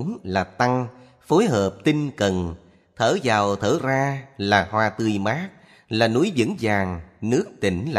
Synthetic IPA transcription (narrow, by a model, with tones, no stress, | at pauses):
mlaː˨˩t̪a˧ŋ | fo˨˦jɦəː˨˩p̚t̪ï˧ŋ̟kə˨˩n | t̪ʰəː˧˩zaː˨˩wt̪ʰəː˧˩˦zaː˧laː˨˩hwaː˧t̪ɨ˧jmaː˦˥k̚ | laː˨˩nu˨˦jzɨ̰˧˥ŋzaː˨˩ŋnɨ˦˥ək̚t̪ï˧˩ŋ̟la˧